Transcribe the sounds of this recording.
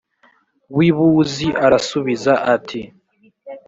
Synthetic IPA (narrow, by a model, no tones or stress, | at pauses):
βwiβuziʔaɾasuβizaʔatʰi